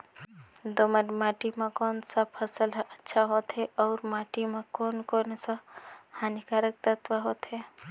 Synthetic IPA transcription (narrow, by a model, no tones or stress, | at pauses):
d̪oməɾmaːʈimẽkoːnsapʰəsələtːʃʰaɦoːt̪ɦɛʔɔːɾmaːʈimãkoːnkoːnsahaːnikaːɾək̚t̪ət̪ʋəɦoːt̪ɦɛ